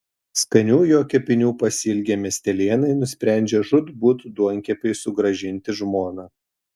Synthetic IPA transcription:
skɐnʲuːjoːkʲɛpʲɪnʲuːpɐsʲɪlʲɡʲɛːmʲɛsʲt̪ʲɛlʲiːnɐɪnʊsʲpʲɾʲæˑnʲd͡ʒʲɛːʒʊt̪buːt̪d̪uɔŋʲkʲɛpʲɛɪsʊɡɾɐʒʲɪnʲt̪ʲɪʒmoːnɑː

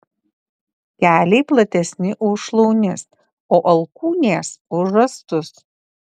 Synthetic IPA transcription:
kʲæːlʲɛɪplˠɐt̪ʲɛsʲnʲɪʔʊʃlˠɔʊnʲɪs | oːʔɐlˠkuːnʲeːsʊʒɐst̪ʊs

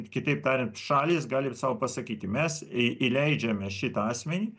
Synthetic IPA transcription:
kʲɪt̪ɐɪpt̪ɑːɾʲɛnt̪ʃɑːlʲiːsɡɑːlʲɪsɑːʋopɐsɐkʲiːt̪ʲɪmʲɛsʔilʲɛɪd͡ʒʲɛmʲɛʃʲɪt̪ɐɑːsʲmʲɛnʲiː

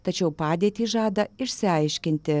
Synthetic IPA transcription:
t̪ɐt͡ʃʲɛʊpɑːd̪ʲiːt̪ʲiːʒɑːd̪ɐɪʃʲsʲɪɐɪʃʲkʲɪnʲt̪ʲɪ

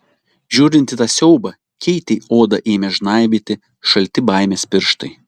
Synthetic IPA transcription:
ʒʲuːɾʲɪnʲt̪ʲɪt̪ɑːsʲɛʊbɐ | kʲɛɪt̪ʲɛoːd̪ɐʔeːmʲɛʒnɑɪbʲet̪ʲɪ | ʃɐlʲt̪ʲɪbɑɪmʲeːspʲɪɾʃt̪ɐɪ

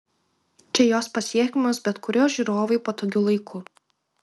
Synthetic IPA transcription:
t͡ʃʲɛjoːspɐsʲiɛkʲɪmosbʲɛt̪kʊɾʲoːʒʲiɾoːʋɐɪpoːt̪oːɡʲʊlˠɐɪkʰʊ

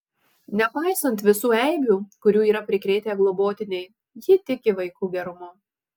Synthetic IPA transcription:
nʲɛpɑˑɪsɐnt̪ʋʲɪsuːɛɪbʲuːkʊɾʲuːiːɾɐpʲɾʲɪkɾʲɛːt̪ʲeːɡlˠɔboːt̪ʲɪnʲɛɪ | jɪt̪ʲɪkʲɪʋɐɪkuːɡʲɛɾʊmʊ

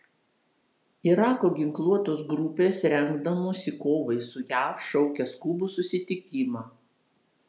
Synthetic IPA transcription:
ɪɾɑːkoːɡʲɪŋklˠuɔt̪oːsɡɾʊpʲeːsɾʲɛŋɡd̪ɐmoːsʲɪkoːʋɐɪsʊjæːfʃʲɔʊkʲɛskuːbusʊsʲɪt̪ʲɪkʲɪmɑː

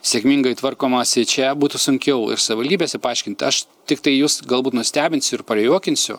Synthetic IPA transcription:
sʲeɛkmʲiŋɡɐɪt̪ʋɐrkoːmɐsʲɪt͡ʃʲɛbuːt̪ʊsʊŋʲkʲɛʊɪ̰ɾsɐʋʲɪʋɐldʲiːbʲeːsʲɛpɐɐɪʃʲkʲɪnʲt̪ʲɐʃt̪ʲɪkt̪ɐɪjuːsɡɐlˠbuːt̪nʊsʲt̪ʲæːbʲɪnʲsʲʊɪɾpɐɾʲjuɔkʲɪnʲsʲʊ̰

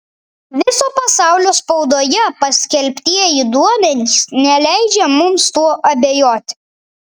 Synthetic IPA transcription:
ʋʲɪsoːpɐsɑˑʊlʲoːspɒʊd̪oːjɛpɐsʲkʲɛlʲpʲt̪ʲiɛjɛiːd̪uɔmʲɛnʲiːsnʲɛlʲæˑɪd͡ʒʲɛmʊmst̪uɔʔɐbʲejoːt̪ʲ

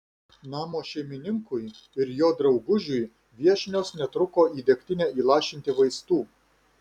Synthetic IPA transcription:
nɑːmoːʃʲɛɪmʲɪnʲɪŋkʊj | ɪɾjoːd̪ɾɐʊɡʊʒʲʊj | ʋʲiɛʃʲnʲoːsnʲɛt̪ɾʊkoːiːd̪ʲɛkʲt̪ʲɪnʲɛiːlˠɑːʃʲɪnʲt̪ʲɪʋɐɪst̪uː

